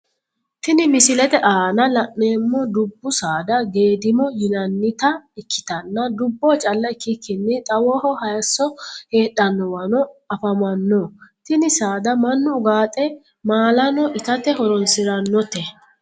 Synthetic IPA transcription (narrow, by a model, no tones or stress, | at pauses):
t̪ɪnɪmɪsɪlɛt̪ɛʔaːnɐlɐʔne̞ːmːɔd̪ʊbːʊsaːd̪ɐɡe̞ːd̪ɪmɔjɪnɐnːɪt̪ɐɪkʰːɪ̥t̪ɐnːɐd̪ʊbːɔt͡ʃʼɐlːɐɪkːɪkʰːɪnːɪt̪ʼɐwɔhɔhɐjsːɔhe̞ːɗɐnːɔwɐnɔɐfɐmɐnːɔːt̪ɪnɪsaːd̪ɐmɐnːʊʊɡaːt̪ʼɛ | maːlɐnɔʔɪt̪ɐt̪ɛhɔɾɔnsɪɾɐnːɔt̪ɛ